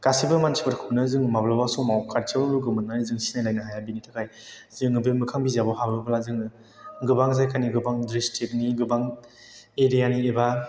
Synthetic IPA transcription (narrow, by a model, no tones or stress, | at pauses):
kasibɯmansʰibaɾkʰɯwnɯzɯŋmablabasɔmawkʰaɾt͡ʃawnɯɾɯɡɯmɯnːanizɯŋsinajlajnaɦajabinitʰakʰaj | zɯŋɯbemɯkʰaŋbizabɔhabɾɯbalazɯŋ | ɡɯbaŋzajkʰaniɡɯbaŋdɾistʰet̚niɡɯbaŋ | eɾijanieba